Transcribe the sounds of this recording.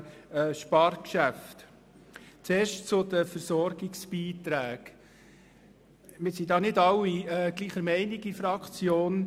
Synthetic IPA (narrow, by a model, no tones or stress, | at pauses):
ʃpɑɾkʃæft̪ | t͡seːɾʃtt͡sʊd̪əfəɾsɔɾɡɪksb̥iːt̪ɾæːɡ̥ | mɪɾsidɑːnɪdɑwiɛɡ̥liːχəɾmɛɪniɡifɾɑkt͡sjoːn